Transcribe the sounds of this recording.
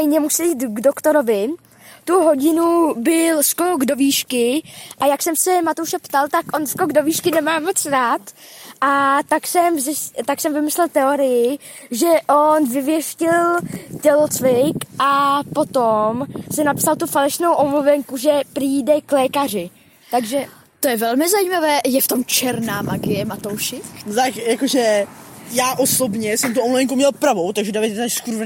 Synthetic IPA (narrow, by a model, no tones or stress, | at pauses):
jɲɛmusiiːt̪ɡdokt̪oɾovɪ | t̪uɦo̞ɟɪnubɪlʃkoɡdoviːʃkɪʔajaksɛmsɛmat̪owʃɛpt̪alt̪akʔonʃkoɡdo̞viːʃkɪnɛmaːmot͡sɾaːt̪ʔat̪aksɛmzɪst̪aksɛmvɪmɪslɛlt̪ɛoɾɪjɪʒɛʔonvɪvjɛʃcɪlcɛlot͡svɪkʔapo̞t̪omsɛnapsalt̪ufalɛʃno̞wʔomluvɛŋkuʒɛpriːdɛklɛːkarɪ | t̪aɡʒɛ | t̪ojɛvɛlmɪzajiːmavɛːjɛft̪o̞mt͡ʃɛɾnaːmaɡɪjɛmat̪o̞wʃɪknot̪akjakoʒɛjaːʔo̞so̞bɲɛsɛmt̪uomluvɛŋkumɲɛlpɾavo̞wt̪aɡʒɛdavɪt̪aʃskuɾv